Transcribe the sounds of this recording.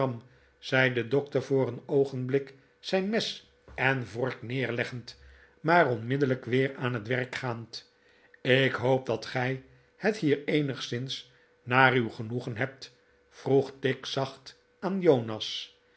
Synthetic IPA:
ɑm | z̥ɛjdədɔk̚təɹvʊːɾənowχənblɪk | sɛjnmɛs | ɛnvɔɹknɪːɹlɛχənt | maːrɔnmɪdələkʋɪːɹaːnɦətʋɛɹkχaːnt | ɪkɦowp̚dɑtχɛj | hətɦiːɹejnəχsɪns | naːrywχənuχənɦɛp̚t | fruχtɪksɑχt | aːnjownɑs

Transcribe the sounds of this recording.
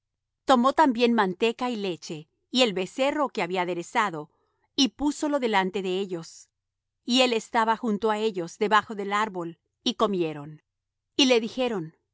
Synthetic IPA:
t̪o̞mo̞t̪ambje̞nmant̪e̞kaile̞t͡ʃe̞ | ie̞lβe̞se̞ro̞ke̞aβiaːðe̞ɾe̞saðo̞ | ipuso̞lo̞ðe̞lant̪e̞ðe̞e̞ʎo̞s | ie̞le̞st̪aβaxunt̪o̞ae̞ʝo̞zd̪e̞βaxo̞ðe̞laɾβo̞l | iko̞mje̞ɾo̞n | ile̞ðixe̞ɾo̞n

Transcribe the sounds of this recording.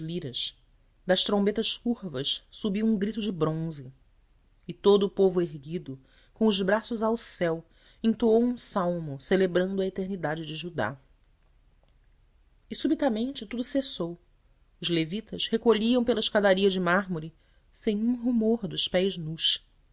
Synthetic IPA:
liɾɐʃ | d̪ɐʃt̪ɾõmbet̪ɐʃkuɾvɐʃsubiwũɡɾit̪ʊd͡ʒɪbɾõzɪ | ɪt̪od̪ʊːpovʊeɦɡid̪ʊ | kõw̃ʊzbɾasʊzawsɛw | ĩnt̪uowũsawmʊselebɾɐ̃nd̪ʊɐet̪eɾnid̪ad͡ʒɪd͡ʒɪʒud̪a̰ | ɪsubit̪ɐmẽnt͡ʃɪt̪ud̪ʊsesow | ʊzlevit̪ɐshekoʎiɐ̃w̃pelɐɪʃkad̪aɾiɐd͡ʒɪmaɦmoɾi | sẽj̃ũɦumoɾd̪ʊʃpɛjznuʃ

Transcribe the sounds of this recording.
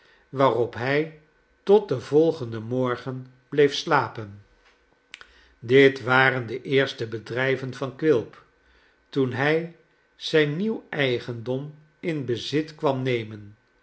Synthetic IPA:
ʋaːrɔpɦɛj | tɔt̚dəvɔlˠχəndəmɔɹχən | b̥lejfslaːpən | dɪtʋaːrəndəʔɪːɹstəbədrɛjvənvɑnkʋɪlˠp | tunɦɛj | z̥ɛjnːiwɛjχəndɔm | ɪnbəzɪtkʋɑmnejmən

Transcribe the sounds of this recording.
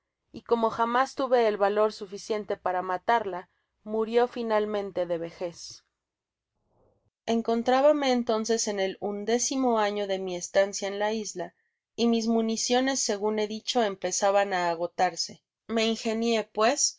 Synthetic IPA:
iko̞mo̞xamast̪uβe̞ːlβalo̞ɾsufisje̞nt̪e̞paɾamat̪aɾla | muɾjo̞finalmẽ̞nt̪e̞ðe̞βe̞xe̞s | e̞ŋko̞nt̪ɾaβame̞ːnt̪o̞ns̬e̞se̞ne̞lund̪e̞simo̞aɲo̞ðe̞mie̞st̪ansjae̞nlaizla | imizmũnisjo̞ne̞sːe̞ɣune̞ðit͡ʃo̞e̞mpe̞saβanaːɣo̞t̪aɾse̞ | me̞inxe̞nje̞pwe̞s

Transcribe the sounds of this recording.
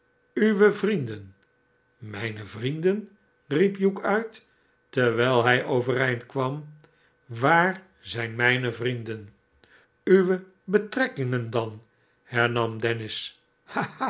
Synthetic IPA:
yʋəvrindən | mɛjnəvrindən | ripjukœɥt | təʋɛːlˠɦɛjʔowvəɾɛjntkʋɑm | ʋaːɹ | zɛjnmɛjnəvrindən | yʋə | bətrɛkɪŋəndɑn | hɛɹnɑmdɛnɪs | ha

